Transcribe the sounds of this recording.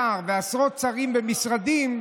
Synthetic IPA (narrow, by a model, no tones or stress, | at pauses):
aʁvɪasʁɔt̚t͡saʁimbɛmisʁad̪im